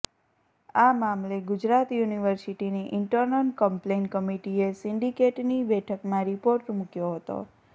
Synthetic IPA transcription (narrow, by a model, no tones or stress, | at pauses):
amamleɡʊd͡ʒɾat̪juniʋəɾsiʈiniʔɪɳʈəɾnəlkəmplenkəmiʈiesɪɳɖikeʈnibɛʈʰəkmãɾipoɾʈmũkjoɦət̪o̰